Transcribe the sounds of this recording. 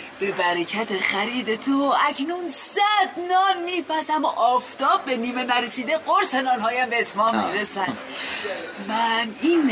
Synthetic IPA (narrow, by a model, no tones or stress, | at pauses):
b̥e̞bæɾecʰæt̪ʰexæɾiːd̪et̪ʰoæcʰnunsæd̪nɒːnmiːpʰæsæmʔɒːft̪ɒːb̚ːe̞niːme̞næɾesiːd̪eɢoɾsenɒːnɦɒːjæmbeet̪ʰmɒːnmiːɾesænd̪ | mænin